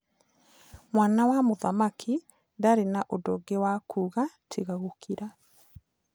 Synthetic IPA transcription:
mwaːnawamoðamakʰi | daɾenaʔodoɡewakuːɣatʰiɣaɣokʰiɾa

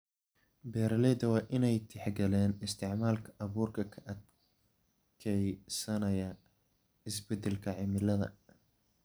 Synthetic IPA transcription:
bɛːɾɐlɛːd̪ɐwɑːʔɪnɛjt̪ʰɪħɡɐlɛːnɪst̪ʰɪʕmaːlkʰɐʔɐβuːrkʰɐkʰɐʔɐd̪ | kʰɛjsɐnɐjɐ | ɪsbɛd̪ɛlkʰɐʕɪmɪlɐðɐ̰

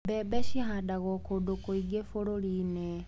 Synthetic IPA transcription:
bebeʃixadaɣokodokoiɡefoɾoline

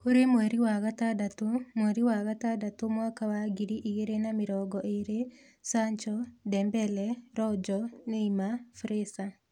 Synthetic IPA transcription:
koɾemwɛɾiwaɣatadatomwɛɾiwaɣatadatomwakawaɡiɾiʔiɣeɾenamɪɾɔɡɔʔeɾe | saɲt͡ʃɔdɛmbɛlɛɾɔd͡ʒɔneimafɾesa

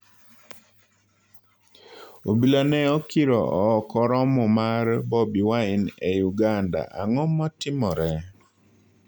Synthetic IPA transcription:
obilanɛɔkiɾɔɔːkɔɾɔmɔmarbɔbiwaɪnejuɡanda̰ʔa̰ŋɔmɔtɪmɔɾɛ

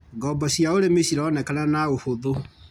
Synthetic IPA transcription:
ɡɔːbɔsiaoɾemesiɾaːnɛkananaohoðo

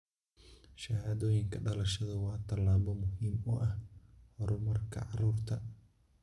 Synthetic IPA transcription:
ʃɐhaːðɔːjɪŋkʰɐɖɐlɐʃɐðɐwɑːt̪ʰɐlːaːβɔmʊɦiːmʊʔɐhhɔɾʊmɐrkʰɐ̰ʕɑruːrt̪ʰɐ

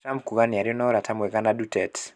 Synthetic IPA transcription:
tampkuɣaniaɾiɔnaɔɾatʰamwɛkanadutɛt

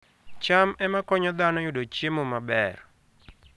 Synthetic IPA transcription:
t͡ʃamɛmakɔɲɔd̪anɔjʊdot͡ʃemomabɛr

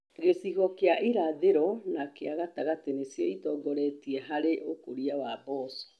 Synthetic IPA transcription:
ɣesiɣɔkeaʔiɾaðeɾɔnakeaɣataɣatenesjɔitɔːɡɔɾɛtiɛɦaɾeʔokoɾiawabɔsɔ̥

